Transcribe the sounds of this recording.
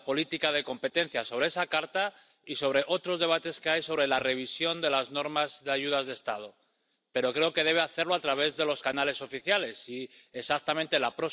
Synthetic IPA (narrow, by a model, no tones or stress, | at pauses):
po̞lit̪ikað̞e̞ko̞mpe̞t̪e̞n̟θjaso̞β̞ɾe̞esakaɾt̪a | iso̞βɾe̞ʔo̞t̪ɾo̞zðe̞β̞at̪e̞skeajso̞βɾe̞lare̞β̞isjo̞nd̪e̞lazno̞ɾmazðeaʝuðazðe̞st̪að̞o̞ | pe̞ɾo̞kɾe̞o̞ke̞ðe̞β̞e̞aθe̞ɾlo̞at̪ɾaβ̞e̞zðe̞lo̞skanale̞so̞fiθjale̞siesak̚t̪amẽnt̪elapɾo̞